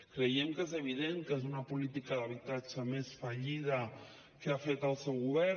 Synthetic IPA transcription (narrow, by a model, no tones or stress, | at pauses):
kɾəjɛmkezəβ̞iðeŋkezunəpulit̪ikəðəβit̪ad͡ʒəmesfəʎiðə | keafet̪əlˠsɛwɣuβɛ